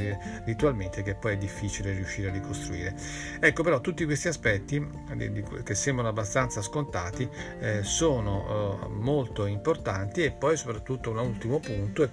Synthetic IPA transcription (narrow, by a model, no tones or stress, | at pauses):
rit̪ualment̪ek̟epːɔjɛd̪ːifːiːt͡ʃilerːijuʃːiːɾearːikost̪ɾuiːɾe | ɛkːopeɾɔt̪ːut̪ːikwest̪iaspɛt̪ːi | d̪̰d̪ikk̟esːɛmbɾanoabːast̪ant̪saskont̪aːt̪isoːnomolt̪oimport̪ant̪iepːɔjsopɾat̪ːut̪ːounault̪imopunt̪oɛ